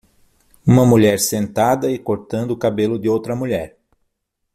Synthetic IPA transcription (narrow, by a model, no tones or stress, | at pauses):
ũmɐmuʎɛɾsẽnt̪ad̪ɐɪkoɾt̪ɐ̃nd̪ʊkabelʊd̪ɪowt̪ɾɐmuʎɛɾ